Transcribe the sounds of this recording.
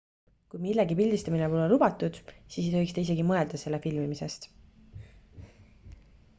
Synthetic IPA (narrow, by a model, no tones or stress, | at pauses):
kujmilːeɡipilʲd̪ist̪ɑminepolelubɑt̪ːud̪̥siːshojkst̪eis̬e̞ɡimɤe̞ld̪̥ɑse̞lːefilmimise̞st̪